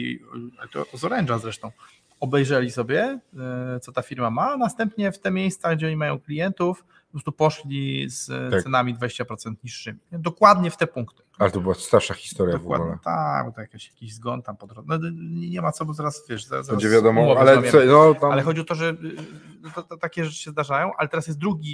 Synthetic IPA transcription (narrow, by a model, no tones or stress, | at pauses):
ialɛt̪ɔ̰zɔɾɛnʐazɾɛʂt̪ɔ̃w̃ | ɔbɛjʐɛlʲisɔbʲjɛ | t̪sɔt̪afʲiɾmamanast̪ɛmpɲɛft̪ɛmʲjejst̪saɡd͡ʑɛɔɲimajɔ̃w̃klʲijɛnt̪uf | pɔpɾɔst̪upɔʂlʲizasɛnamʲid̪vad͡ʑeɕt͡ɕapɾɔt̪sɛnt̪ɲiʂːɘmʲiɛd̪ɔkwad̪̚ɲɛft̪ɛpuŋkt̪ɨ̥alɛt̪ɔbɘwast̪aɾʂaxʲi̥st̪ɔɾjavɡwa̰dulɛ̰t̪abt̪ɔjakaɕjakʲiʑzɡɔnt̪ampɔd̪ɾɔnɔɲɛɲɛmat̪sɔbɔzaɾasvʲjɛʂza̰zaɾad͡ʑɛvʲjad̪ɔmɔmɔvalɛamʲjɛmɔalɛxɔd͡ʑiɔt̪ɔʐɛ | t̪ɔt̪ɔt̪akʲɛʐɛt͡ʂɨ̥ɕɛzd̪aʐajɔ̃w̃ʔa̰lɛt̪ɛɾasjɛst̪̚d̪ɾuɡʲi